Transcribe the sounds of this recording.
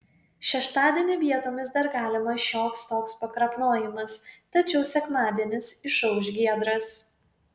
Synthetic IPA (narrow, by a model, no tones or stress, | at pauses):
ʃʲɛʃt̪ɑːd̪ʲiɛnʲɪʋʲiɛt̪oːmʲɪsd̪ɐɾɡɑːlʲɪmɐʃʲoːkst̪oːkspɐkɾɐpnoːjɪmɐst̪ɐt͡ʃʲɛʊsʲɛkmɑːd̪ʲiɛnʲɪsɪʃɐʊʒʲɡʲiɛd̪ɾɐs